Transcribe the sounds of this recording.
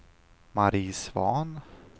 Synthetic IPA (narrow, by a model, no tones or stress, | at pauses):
maɾiːsvɑːn